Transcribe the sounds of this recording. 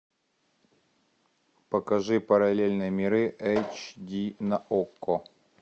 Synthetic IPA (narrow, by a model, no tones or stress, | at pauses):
pəkɐʐɨpəɾɐlʲelʲnɨjəmʲɪɾɨʔɛjt͡ɕd̪ʲinɐʔokːo